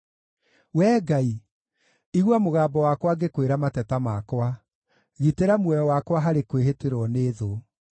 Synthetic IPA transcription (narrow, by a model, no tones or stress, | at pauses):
wɛːɡai | iɣwamoɣaːbɔwakwaɡekweɾamatɛtamakwa | ɣiteɾamwɛjɔwakwaɦaɾekweɦeteɾwɔneðo